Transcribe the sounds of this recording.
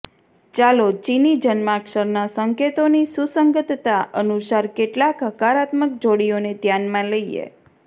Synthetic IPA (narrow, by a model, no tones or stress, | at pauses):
t͡ʃalot͡ʃinid͡ʒənmakʃəɾnasəŋket̪onisusəŋɡət̪t̪aʔənusaɾkeʈlakɦəkaɾat̪mək̚d͡ʒoɽijonet̪janmãləiḛ